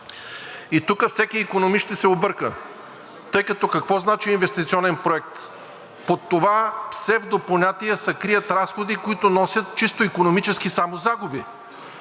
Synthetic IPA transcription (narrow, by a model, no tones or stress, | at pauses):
it̪ukəfsɛkiːkonomiʃt̪ɛsɛobɤɾkə̰ | t̪ɤjkɐt̪ɔkɐkvɔznat͡ʃiːnvɛst̪it̪sʲiɔnɛnpɾoɛk̚t̪ | pot̪ːovafsɛvd̪opɐlˠnʲat̪ijəsɐkɾijət̪ɾasxod̪ikoit̪ʊnɔsʲət̪̚t͡ʃist̪oikonomit͡ʃɛskisamozaɡʊbi